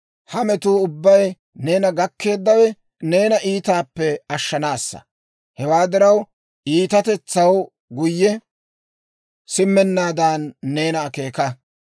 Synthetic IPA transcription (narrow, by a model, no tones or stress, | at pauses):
hɐmɛt̪uːʊbːɐj | ne̞ːnɐɡɐkːe̞ːd̪ːɐwɛ | ne̞ːnɐʔiːt̪aːpːɛɐʃːɐnaːsːɐ̰ | hɛwaːd̪ɪɾɐw | iːt̪ɐt̪ɛt͡sːɐw | ɡʊjːɛ | sɪmːɛnːaːd̪aːnːe̞ːnɐːke̞ːkɐ